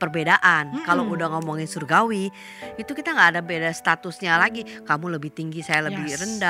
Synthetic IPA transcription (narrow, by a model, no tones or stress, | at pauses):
pərbedaʔankaloudaŋɔmɔŋɪnsurɡawi | it̪ukit̪aŋɡaːdabedast̪at̪ʊsɲalaɡikamuləbɪht̪iŋɡisajaləbɪrənda